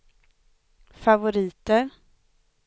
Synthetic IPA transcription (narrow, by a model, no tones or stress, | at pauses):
favʊɾiːt̪əɾ